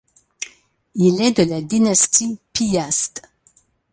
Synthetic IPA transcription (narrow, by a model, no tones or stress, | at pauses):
ilɛd̪əlad̪inast̪ipiast̪